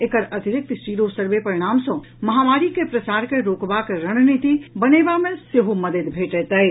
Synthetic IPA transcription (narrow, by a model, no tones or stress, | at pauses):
ekəɾəd̪ʱiɾɪk̚t̪sʈiɾosəɾʋepəɾiɽ̃aːmsɔ̃ | məɦamaːɾikepɾəsaːɾkeɾoːkbakeɾəɽ̃nit̪ibənebamẽseɦoməd̪əd̪bʱeʈɛt̪ə